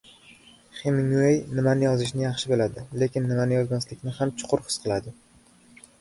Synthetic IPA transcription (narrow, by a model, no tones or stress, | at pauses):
χemɪŋuejnɪmanɪjɒzɪʃ̬nɪjɑχʃɪbɪlad̪ɪle̞kʲɪnːɪmanɪjɒzmaslɪkʲnɪhamt͡ʃʰʊ̥qʰʊɾhɨ̥sqʰɨlˠad̪ɪ